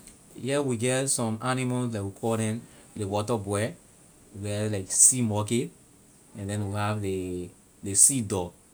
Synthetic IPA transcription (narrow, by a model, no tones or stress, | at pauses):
jɛwiɡɛtsɔ̃manimalslakwikʰɔldɛ̃nlewɔtəbwɛ | wiɡɛlaɪksimɔket | ɛ̃ndɛ̃nwihavle | lesidɔ